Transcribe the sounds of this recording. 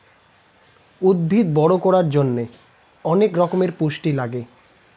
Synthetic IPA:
ud̪̚bʱid̪bɔɽokɔɽaɾd͡ʑonːe | ɔnekɾɔkomeɾpuʃʈilaɡe

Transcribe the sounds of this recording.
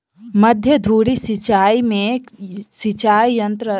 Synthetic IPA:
məd̪ʱjəd̪ʱuːɽisit͡ʃaːimẽ | sit͡ʃaːijənt̪ɾə

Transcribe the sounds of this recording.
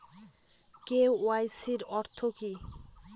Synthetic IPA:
kewwajsiɾɔɾt̪ʰoki

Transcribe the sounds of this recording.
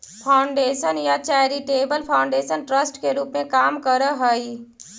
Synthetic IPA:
pʰaːʊɳɖeːʃənjat͡ʃaːɾiʈeːbəlpʰaːʊ̃ɳɖeːʃənʈɾəsʈkeɾuːpmẽkaːmkəɾəɦəi

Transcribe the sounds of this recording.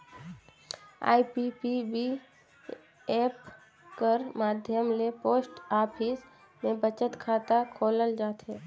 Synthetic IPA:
a̰ːipipibi | eːp | kəɾmaːd̪ʱjəmlepoːsʈaːpʰɪs | mẽbət͡ʃət̪kʰaːt̪akʰoːləld͡ʒaːt̪ɦɛː

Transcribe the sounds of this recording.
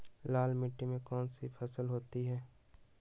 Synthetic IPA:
laːlmɪʈːimẽkɔːnsipʰɐsəlɦoːt̪iɦɛː

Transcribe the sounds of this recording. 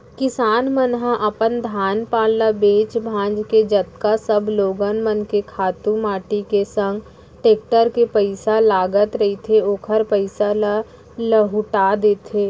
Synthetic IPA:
kɪsaːnmənɦaʔəpənd̪ʱaːnpaːllabeːt͡ʃbʱãːnd͡ʒked͡ʒət̪kasəbloːɡənmənkekʰaːt̪ũmaːʈikesə̃ŋɡ | ʈeːk̚ʈəɾkepəɪsalaːɡət̪ɾɐit̪ʰeoːkʰəɾpəɪsala | ləɦʊʈad̪eːt̪ʰeː

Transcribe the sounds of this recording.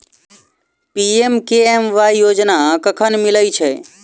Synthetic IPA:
piemkeemʋaijoːd͡ʒnakəkʰənmɪləit͡ʃʰɛ

